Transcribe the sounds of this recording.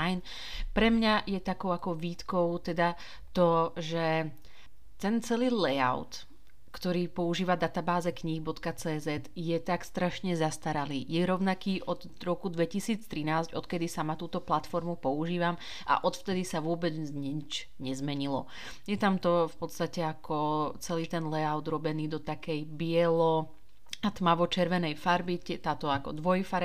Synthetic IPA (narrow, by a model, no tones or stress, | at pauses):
ajn | pɾɛmɲajɛt̪akɔʊakɔʋiːt̪kɔʊt̪ɛd̪a | t̪ɔʒɛ | t̪ɛnt͡sɛliːlɛja̰ʊt̪ | kt̪ɔɾiːpɔuʒiːʋad̪at̪abaːzɛkɲiɦbɔt̪kat͡sɛːzɛt̪jɛt̪akst̪ɾaʃɲɛzast̪aɾaliːjɛɾɔʊnakiːʔɔd̪ | ɾɔkud̪ʋɛcisiːt͡st̪ɾinaːzɟɔt̪kɛd̪isamat̪uːt̪ɔplat̪fɔɾmupɔuʒiːʋam | a̰ʔɔt̪ft̪ɛd̪isaʋʊɔbɛd͡zɲit͡ʃ | ɲɛzmɛɲilɔ̰ | jɛt̪amt̪ɔfpɔt̪st̪acɛakʰɔt͡sɛliːt̪ɛnlɛaʊd̪ɾɔbɛniːd̪ɔt̪akɛjbɪɛlɔ | at̪maʋɔt͡ʃɛɾʋɛnɛjfaɾbiɛt̪aːt̪ɔakɔd̪ʋɔjfaɾ